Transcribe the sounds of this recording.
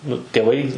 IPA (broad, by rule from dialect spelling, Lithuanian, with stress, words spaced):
ˈnʊ tʲeːˈʋɐɪ